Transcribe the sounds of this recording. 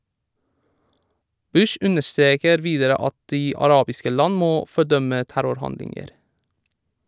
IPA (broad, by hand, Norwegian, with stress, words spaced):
ˈbʉʃ ˈʔʉnəʃˌtɾeːkəɾ ˈʋiːdəɾə ˈɑt ˈdiː ɑˈɾɑːbɪskə ˈlɑn ˈmoː fɔˈɖœmə ˈtæɾʊɾˌhɑndlɪŋəɾ